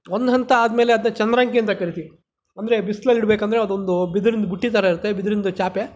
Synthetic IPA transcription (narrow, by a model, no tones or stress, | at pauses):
ond̪ɦɐnt̪ɐaːd̪meːleɐd̪ɐnːɐt͡ʃɐnd̪ɐɾɐŋkiɐnt̪ɐkɐɾit̪i | ɐnd̪ɐɾe̞bisːlɐlːiɽbeːkɐnd̪ɾeɐd̪uond̪ubid̪ɐɾind̪ɐbuʈːit̪aːɾɐiɾut̪ːebid̪ɐɾind̪ɐt͡ʃaːpe